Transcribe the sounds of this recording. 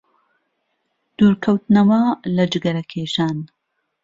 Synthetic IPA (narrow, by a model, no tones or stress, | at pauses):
d̪̥uːɾkʰɐwt̪nɐwɐlɐd͡ʒɨɡɐɾɐkʰeːʃaːn